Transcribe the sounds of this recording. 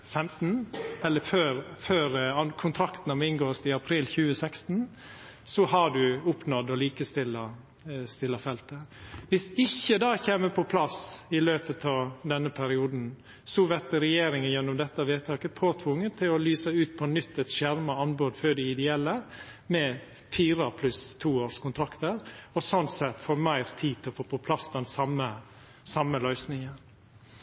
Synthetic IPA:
fɛmt̪nɛlːəføːɾføːɾɑnkʰʊnt̪ʰɾɑkt̪nɑmɛɪnɡoːst̪ɪɑpʰɾiːlçʉːəsɛkst̪n̩ | sɔhɑɖʉʊpnɔd̪ɔliːkəst̪ɪlːɑ | st̪ɪlːɑfɛlt̪əʋɪsɪçːəd̪ɑːçeːməpʰɔpʰlɑsɪløːpət̪ʰɑʋd̪ɛnːəpʰæɾɪuːd̪n̩ | sɔʋɛɾt̪əɾɛjeːɾɪŋənjɛnːɔmd̪ɛt̪ːɑʋeːt̪ʰɑːkəpʰoːt̪ʰʋʊŋːənt̪ʰɪlɔlyːsəʉːt̪̚pʰɔnʏt̪ːɛt̪ʃæɾmɑɑnboːd̪føːɖɛɪd̪ɛɛlːə | mɛ | fiːɾəpʰlʉst̪ʰːuːoːʂkʊnt̪ʰɾɑkt̪əɾɔsɔnt̪sɛt̪ːfoːɾmæɪɾt̪ʰiːt̪ɪlɔfoːpʰɔpʰlɑsːd̪ɛnsɑmːə | sɑmːəlœʏsnɪŋən

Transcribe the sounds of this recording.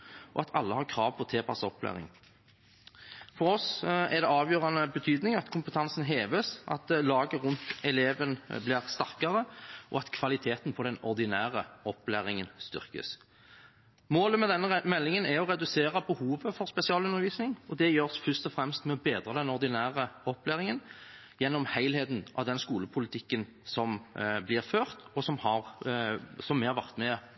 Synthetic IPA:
ʔɔ̰ɑt̪ʰɑ̰lːəhɑʁkʰʁɑːʋpʰɔt̪ʰeːpʰɑsɔplæ̰ːʁɪ̰ŋ | fɔʁɔsɛʁd̪ɛɑːʋjøːʁɑnəbət̪ʰyːd̪nɪŋɑt̪kʰʊmpət̪ʰɑnsənɦeːʋəsʔɑ̰t̪lɑːɡəʁʉnt̪ɛleːʋənblɪːʁst̪ɑʁkɑʁəʔɔ̰ɑt̪kʰʋɑlɪt̪ʰeːt̪npʰɔd̪ɛnɔʁd̪ɪnæːʁəɔpːlæ̰ːʁɪŋənst̪ʏ̰ʁkə̰s | moːləmɛd̪ɛnːəmɛlːɪŋənæɔʁɛd̪ʉseːɾɑbəhuːʋəfɔɾspɛsɪɑːlʉnːəʁʋiːsnɪŋɔd̪ɛjøːʁsfʏst̪ɔfʁɛmst̪mɛɔbeːd̪ʁəd̪ɛnɔʁd̪ɪnæːʁəɔplæːʁɪŋən | jɛnːɔmhæɪlheːt̪n̩ʔɑ̰ʋd̪ɛnskuːləpʰʊlɪt̪ʰɪkːən | sɔmblɪʁføːʁt̪ɔsɔmhɑʁ | sɔmːɛhɑɾʋæʁt̪mɛ

